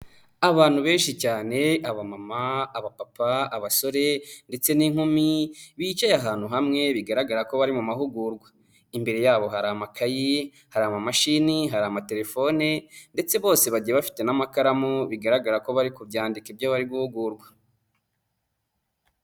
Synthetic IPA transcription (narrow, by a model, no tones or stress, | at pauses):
aβaːn̥huβe̞ːnʃicaːne̞aβamamaːβapapaːβaso̞ɾe̞nde̞t͡se̞niŋ̥humiβiːt͡ʃajaɦaːn̥huɦamŋe̞βiɡaɾaɡaɾako̞βaɾimumahuɡuːɾɡwḁ | imbe̞ɾe̞jaːβo̞ɦaɾamakʰaji | haɾamamaʃiniɦaɾamate̞ɾe̞fo̞nende̞t͡se̞βo̞ːse̞βaɟieβafi̥te̞namakaɾamoβiɡaɾaɡaɾako̞βaɾikubɟaːndikibjaβaɾiɡuhuɡuːɾɡwḁ